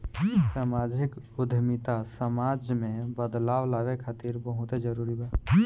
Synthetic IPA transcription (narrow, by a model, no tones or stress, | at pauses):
samad͡ʒik | ʊd̪ʱmit̪asəmad͡ʒmẽbəd̪lawlaɡekʰat̪iɾbəɦut̪ed͡ʒəɾuɾiba